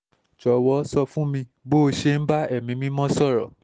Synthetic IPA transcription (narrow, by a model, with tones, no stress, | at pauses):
t͡ʃɔ˨wɔ˨˦sɔ˧fũ˦mĩ˧bo˦˧ʃe˧n̩˦ba˦ɛ˦˨mĩ˨˧˦mĩ˦mɔ̃˦sɔ˦˨ɾɔ˨